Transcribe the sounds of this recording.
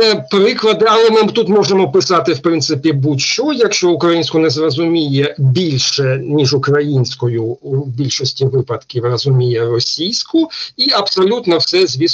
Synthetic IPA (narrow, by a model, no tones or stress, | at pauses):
ɛpɾɪklˠɐd̪ɪɐlˠɛmɪt̪ut̪mɔʒemɔpɪsɑt̪ɪwpɾɪnsɪpʲibutʲʃt͡ʃɔjɐkʃt͡ʃɔʊkɾɐjinʲsʲkʊnɛzrɐzʊmʲijɛbʲilʲʃɛnʲiʒʊkɾɐjinʲsʲkɔjʊbʲilʲʃɔsʲtʲiʋɪpɐt̪kʲiwrɐzʊmʲijɛrɔsʲijsʲkʊiɐpsɔlʲut̪nɔwsɛzʲʋʲis